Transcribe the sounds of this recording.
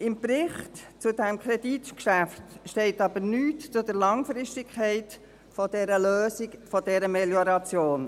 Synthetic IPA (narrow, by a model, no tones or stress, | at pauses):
ɪmpɾɪχtt͡sʊdɛmkʰɾɛd̥itkʃæftʃtɛɪtɑbəɾnyːtt͡sʊdəɾlɑŋfɾɪʃtɪkʰχɛɪt | fɔd̥ɛɾəløːsɪkfɔdɛɾəmɛljɔɾɑt͡sjoːn